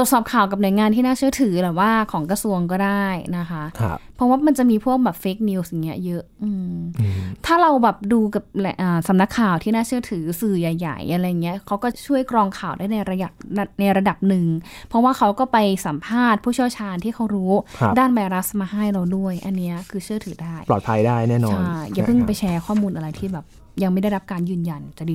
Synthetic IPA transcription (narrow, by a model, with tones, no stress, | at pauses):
t̪t̪sɔː˨˩p̚kʰaː˨˩wka˨˩nu˩˦jŋaː˧nt̪ʰiː˥˩naː˥˩t͡ɕʰɯ˥˩ət̪ʰɯː˩˦t̪ɛː˨˩waː˥˩kʰɔː˩˦ŋkɾa˧su˧əŋkɔː˥˩daː˥˩jna˦˥kʰa˦˥ʔkʰpʰɔ˦˥waː˥˩ma˧nt͡ɕa˨˩ʔmiː˧pʰu˥˩ək̚bɛː˨˩p̚fe˦˥k̚niː˧wsja˨˩ŋːi˦˥ɐjɤ˦˥ʔʔɯː˧m | t̪ʰaː˥˩ɾa˧wbɛː˨˩p̚duː˧ka˨˩p̚lʔaː˨˩sa˩˦mna˦˥kʰːaː˨˩wt̪ʰiː˥˩naː˥˩t͡ɕʰɯ˥˩ət̪ʰɯː˩˦sɯː˨˩jaː˨˩jːa̰˨˩jʔa˧ɾa˧jːa˨˩ŋːi˦˥ɐkʰa˦˥wkɔː˥˩t͡ɕʰu˥˩əjkɾɔː˧ŋkʰaː˨˩wdaː˥˩jna˧jɾa˧ja˨˩p̚a˧˥˩na˧jɾa˧da˨˩p̚nɯ˨˩ŋpʰɔ˦˥waː˥˩kʰa˦˥wkɔː˥˩pa˧jsa˩˦mpʰaː˥˩t̪̚pʰuː˥˩i˥˩wt͡ɕʰaː˧nt̪ʰiː˥˩kʰa˦˥wɾuː˦˥˦daː˥˩nwa˧jɾa˦˥smaː˧ha˥˩jɾa˧wdu˥˩əjʔa˧nːi˦˥ɐkʰɯː˧t͡ɕʰɯ˥˩ət̪ʰɯː˩˦daː˥˩jlɔ̰ː˨˩t̪̚pʰa˧jdaː˥˩jnɛː˥˩nɔː˧t͡ɕːan˥˩ja˨˩pʰɯ˥˩ŋpa˧jt͡ɕʰɛː˧˥kʰɔː˥˩muː˧nʔa˧ɾa˧jt̪ʰiː˥˩bɛː˨˩p̚ | ja˧ŋma˥˩jda˥˩jɾa˦˥p̚kaː˧njɯː˨˩nja˨˧nt͡ɕa˨˩diː˧